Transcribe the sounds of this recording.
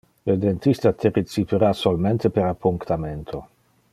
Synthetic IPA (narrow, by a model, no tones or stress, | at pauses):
led̪ent̪ist̪at̪ʰeɾet͡sipeɾasolment̪epeɾapːuŋkt̪ament̪ʰo